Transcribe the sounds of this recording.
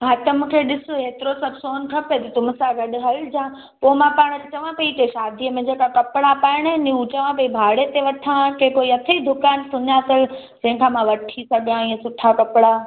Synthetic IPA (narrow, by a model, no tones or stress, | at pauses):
ɦaːt̪əmũkʰeɗɪsoeːt̪ɪɾosɐbsoːnkʰɐpet̪ɐt̪ʊmsãɡɐɗɦɐld͡ʑãː | poːmãpaːɽ̃ɾt͡ɕɐʋãpɐikeʃaːd̪ʱiəmẽd͡ʑeːkakɐpɪɽapaːɪɽ̃niut͡ɕɐʋãpɐibʱaːɽet̪eʋɐʈʰaãkekoːiɐt̪ʰeid̪ʱʊkaːnsʊɲaːt̪ʰəl | d͡ʑɐ̃ɦɪ̃kʰãmãʋɐʈʰisɐɡjãiːə̃sʊʈʰakɐpɽaː